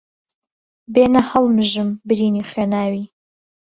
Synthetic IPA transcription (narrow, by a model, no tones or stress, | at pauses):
beːnɐhɐlmɨʒɨmbɨɾiːniːχweːnaːwiː